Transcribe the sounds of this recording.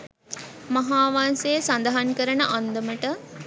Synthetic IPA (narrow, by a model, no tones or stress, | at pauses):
mɐɦaːʋansejsand̪ɐɦankəɾənəʔand̪əməʈə